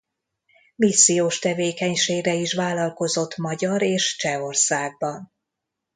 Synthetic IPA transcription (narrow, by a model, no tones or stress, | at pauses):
misːijoːʃt̪ɛveːkɛɲʃeːɡrɛiʃvaːlɒlko̞zo̞t̪ːmɒɟɒɾeːʃt͡ʃɛo̞rsaːɡ̚bɒn